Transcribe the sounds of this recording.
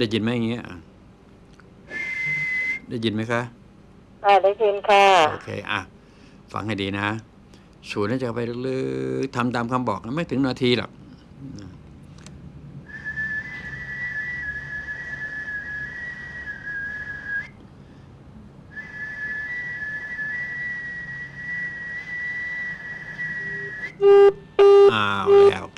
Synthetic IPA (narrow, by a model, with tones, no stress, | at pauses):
daː˥˩ji˧nma˦˥ja˨˩ŋːi˦˥ɐ˧ʔa̰˧˩ | daː˥˩ji˧nma˦˥jkʰa˦˥ʔ | ʔa˧˩daː˥˩jji˧nkʰa˥˩ʔo̰ː˧kʰḛː˧ʔa̰˧˩ | fa̰˧˩ŋ̚ha˥˩jdiː˧na˦˥ | su˨˦na˥˩t͡ɕa˨˩kpa˧˥lɯ˦˥t̪ʰa˧mt̪aː˧mkʰa˧mbɔ̰ː˨˩k̚a˧˥˩maː˦˥˦t̪ʰɯ˩˦ŋna˧t̪ʰiː˧la̰˨˩k̚ | na˧˩ | ʔaː˧a˨˩lɛ̰ː˦˧˥w